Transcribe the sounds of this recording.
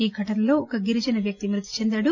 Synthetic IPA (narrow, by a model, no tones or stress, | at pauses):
iːɡʱɐʈɐnɐlo̞ːɔkɐɡiɾid͡ʒɐnɐʋjɐk̚t̪imɾut̪ːi̥t͡ʃend̪ɐːɽu